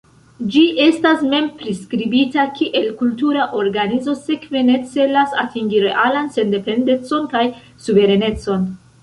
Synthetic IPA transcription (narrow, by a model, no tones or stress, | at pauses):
d͡ʒiʔe̞stasme̞mpɾiskɾibitakʰiʔe̞lkultuɾaʔo̞ɾɡanizo̞se̞kve̞ne̞t͡se̞lasatʰiŋɡiɾe̞ʔalanse̞nde̞pe̞nde̞t͡so̞nkaj | suve̞ɾene̞t͡so̞n